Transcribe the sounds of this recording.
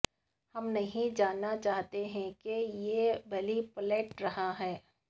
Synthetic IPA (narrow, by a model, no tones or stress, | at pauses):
hɐmnɐɦĩd͡ʒaːnːat͡ʃaːɦt̪eɦɛ̃kejeːbɐlipleːʈɾɐɦaɦɛː